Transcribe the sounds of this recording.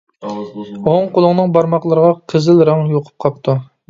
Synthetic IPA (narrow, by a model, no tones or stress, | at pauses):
oŋqolˠʊŋnɨŋbɑɾmɑqlˠəɾəʁɑqʰəzɪlɾɑŋjoqʰʊ̥p̚qʰɑp̚t̪ʰu